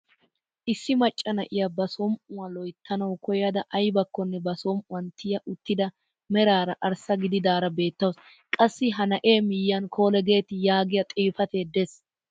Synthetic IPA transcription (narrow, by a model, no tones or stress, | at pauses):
ʔɪsːɪmɐt͡ʃʼːɐnɐʔɪjɐbɐsɔmʊwɐlɔjt̪ʰːɐnɐwkɔjɐd̪ɐʔɐjbɐkːɔnːɛbɐsomʊwɐnt̪ʰɪjɐʔʊt̪ːɪd̪ɐ | mɛɾaːɾɐʔɐɾsɐɡɪd̪ɪd̪aːɾɐbe̞ːt̪ːɐws | kʼɐsːɪɦɐnɐʔe̞ːmɪjːɐnkʰo̞ːlɛɡe̞ːt̪ɪjaːɡɪjɐt̪ʼiːfɐt̪e̞ːd̪es